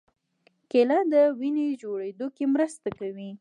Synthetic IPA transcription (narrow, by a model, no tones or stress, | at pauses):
kelad̪əwined͡ʒoɽed̪okemɾəst̪akawi